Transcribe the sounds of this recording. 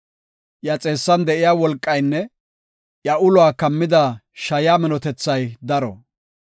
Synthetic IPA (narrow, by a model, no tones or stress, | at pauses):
ʔjɐt͡sʼe̞ːsːɐnd̪ɛʔɪjaːwɔlkʼːɐjnːɛ | jɐʔʊlʊaːkɐmːɪd̪a | ʃɐjaːmɪnɔt̪ɛt͡sːɐjd̪ɐɾɔ̰